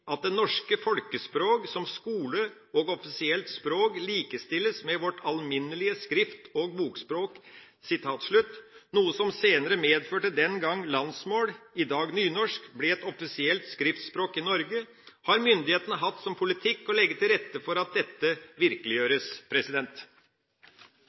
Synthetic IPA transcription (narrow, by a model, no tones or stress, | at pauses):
ʔɑt̪̚d̪ɛnɔʂkəfɔlkəspɾoːksɔmskuːlə | ɔɡɔfɪsɪɛlt̪spɾoːkliːkəst̪ɪlːəsmɛʋɔʈːʰɑlmɪnːəlɪəskɾɪft̪ɔɡ̚buːkspɾoːk | sɪt̪ʰɑːt̪ʂɭʉt̪ːnuːəsɔmseːnəɾəmeːd̪føːʈəd̪ɛnɡɑŋːlɑnsmoːlɪd̪ɑːɡnyːnɔʂkblɛɛt̪ɔfɪsɪɛlt̪skɾɪft̪spɾoːkɪnɔɾɡə | hɑɾmʏnd̪ɪheːt̪ənəɦɑt̪ːsɔmpʰʊlɪt̪ʰɪkːɔlɛɡːət̪ʰɪlɾɛt̪ːəfɔɾɑt̪̚d̪ɛt̪ːəʋɪɾkəlɪjøːɾəspʰɾɛsɪd̪ɛnt̪